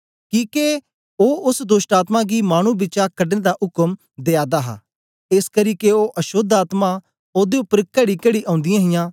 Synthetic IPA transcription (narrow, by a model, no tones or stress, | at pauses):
kiːke | oːʊsd̪oːʃʈaːt̪maɡimaːɽ̃ũbɪt͡ʃakɐɖnẽd̪aʔʊkəm | d̪eːaːd̪aɦa̰ː | eskɐɾiːkeoʔɐʃod̪aːt̪ma | oːd̪eʊpəɾkɐɽikɐɽiʔãːʊ̃nd̪ɪjãːɦɪjãː